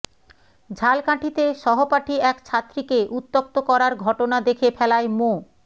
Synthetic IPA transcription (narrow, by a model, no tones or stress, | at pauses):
d͡ʑʱalkãʈʰit̪eʃɔɦopaʈʰiɛkt͡ɕʰat̪ːɾikeʔut̪ːok̚t̪okɔɾaɾɡʱɔʈonad̪ekʰefʰɛlaemo